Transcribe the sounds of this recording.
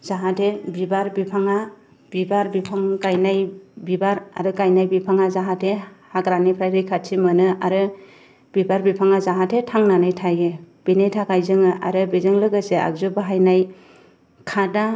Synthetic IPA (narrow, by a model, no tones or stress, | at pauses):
z̥aɦatʰebibaɾbipʰaŋa | b̥ibaɾbipʰaŋkajnajbibaɾa̰ɾɯkajnajbipʰaŋazaɦatʰehaɡɾanipʰɾajɾɯjkʰatʰimɯnɯaɾɯ | b̥ibaɾbipʰaŋazaɦatʰetʰaŋnanɯjtʰajeb̥inejtʰakajzɯŋɯʔa̰ɾɯbizɯŋlɯɡɯsea̰kzubaɦajnaj | kʰada